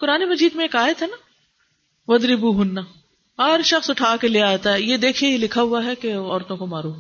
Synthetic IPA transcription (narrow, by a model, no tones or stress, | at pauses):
kʊɾaːnemɐd͡ʒiːd̪mẽeːkaːet̪ʰɛna | ʋɐd̪ɾibuɦʊnːa | ɦɐɾʃɐxsʊʈʰaːkeleːaːt̪aɦɛjed̪eːkʰeilɪkʰaɦʊaɦɛkeɔːɾt̪õkomaːɾo